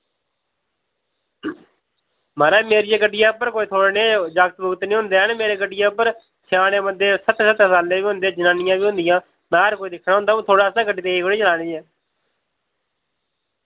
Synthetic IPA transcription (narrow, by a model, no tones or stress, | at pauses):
məɾɛːmeːɾɪjaːkəʈːɪjaːpəɾkoːiːt̪ʰoːɽeːneːd͡ʒəkt̪bʊɡt̪nĩːɦʊ̃nd̪eːɦnːmeːɾeːkəʈɪjãːpəɾ | t͡ʃʰaːnẽːbənd̪eːsət̪ːsət̪ːsaːlːẽːʋiːɦʊ̃nd̪eːd͡ʒənãːnɪjãːʋiːɦʊ̃nd̪ɪjãː | naːɾkoːiːd̪ɪkʰːnaːʊ̃nd̪aːũːt̪ʰoːɽaːsaːkəɖiːt̪eːiːkoɽiːt͡ʃəlaːneːɛː